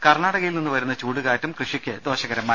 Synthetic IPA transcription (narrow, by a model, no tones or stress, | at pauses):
kɐrɳaːɽɐɣɐjilninːɨʋɐɾunːɐt͡ɕuːɽuɣaːtːumkrɨʂikʲːɨd̪o̞ːɕɐɣɐɾɐmːaː